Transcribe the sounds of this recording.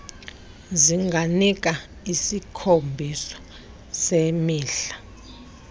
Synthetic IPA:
ziŋɡʱanik̬ʼa | isikʰombʱisɔ̥ | semiːɬḁ

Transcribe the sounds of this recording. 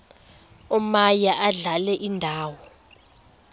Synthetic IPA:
ɔmajaʔaɮalɛʔindʱaːwɔ

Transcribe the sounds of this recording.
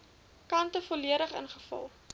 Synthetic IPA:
kɐntəfoliəɾəχə̰nχəfɐ̰lˠ

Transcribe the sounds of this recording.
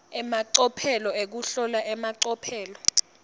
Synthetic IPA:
ɛmaǀɔpʰɛlɔek̬uɬɔlaʔɛmaǀɔpʰɛːlɔ

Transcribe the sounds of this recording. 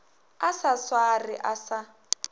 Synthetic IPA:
asaswariʔasa

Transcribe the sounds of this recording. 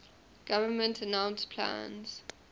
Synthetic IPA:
ɡ̥avənmə̃ntʰənãw̃nspʰlã̰nz̥

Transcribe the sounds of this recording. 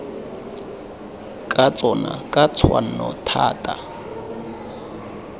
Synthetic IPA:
kʼat͡sʼɔnakʼat͡sʰwan̩nɔtʰaːtʼa

